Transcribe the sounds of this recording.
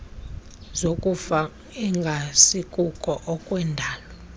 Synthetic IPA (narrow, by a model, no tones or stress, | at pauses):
zokʼufa | iŋɡʱasikʼukʼɔʔɔkʼwɛndʱaːlɔ